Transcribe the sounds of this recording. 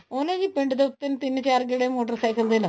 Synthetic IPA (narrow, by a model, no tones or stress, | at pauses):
oːneɡipeɳɖɨd̪ɐt̪ːɐnt̪inːɨt͡ɕaːrɡeɽemoːʈɐrsɐjkɐld̪ɐlɐ